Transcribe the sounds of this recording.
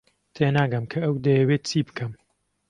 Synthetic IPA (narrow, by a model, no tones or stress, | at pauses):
t̪ʰenaːɡɐmkʰɐɐwd̪ɐjɐwet̪̚t͡siːbɨ̥kʰɐm